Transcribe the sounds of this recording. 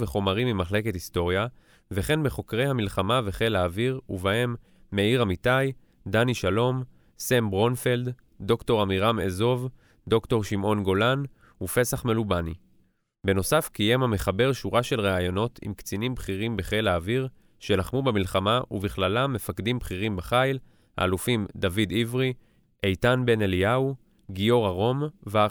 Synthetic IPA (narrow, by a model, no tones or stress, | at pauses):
veχo̞maʁimimaχle̞kethisto̞ʁja | ve̞χe̞nbeχo̞kʁe̞jhamilχamave̞χe̞laːviʁuvaemː | e̞iʁamitaj | daniʃalo̞m | sembʁo̞nfeld̪ | do̞kto̞ʁamiʁamḛzo̞v | do̞kto̞ʁʃimʔo̞nɡo̞lan | ufe̞saχme̞lubani | be̞no̞safkije̞mhameχabe̞ʁʃuʁaʃe̞lʁeajo̞no̞tʰḭmkt͡sinimbχiʁimbeχelaːviʁ | ʃe̞laχmubemilχamaʔuviχlalamːe̞fakdimbχiʁimbeχajl | ha̰ːlufimd̪avidivʁi | ʔejtanbe̞nelijau | ɡio̞ʁaʁo̞mva